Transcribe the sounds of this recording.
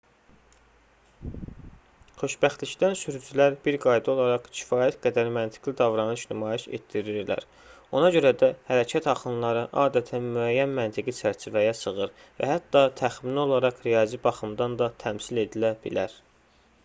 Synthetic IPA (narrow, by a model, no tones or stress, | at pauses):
χø̞ʃbæχt̪licd̪ænsyɾyd͡ʒylæɾbiɾɡɑjd̪ɯo̞lˠɑɾɑqcʰi̥fɑːjæt̪ɡæd̪æɾmænt̪ʰi̥ɡ̥lid̪ɑvɾɑnɯʃnymɑːjeʃe̞̰t̪ːiɾiɾlæ̰ɾ | o̞nɑɟø̞ɾæd̪æhæɾæcʰæt̪hɑχɯnlˠɑɾɯʔɑːd̪æt̪ʰænmyæjːænmænt̪ʰiɡit͡ʃʰæɾt͡ʃʰivæjæsɯɣɯɾ | væ̰hæt̪ːɑt̪ʰæxminio̞lˠɑɾɑqɾijɑzibɑχɯmd̪ɑnd̪ɑt̪ʰæmsile̞d̪ilæbḭlæɾ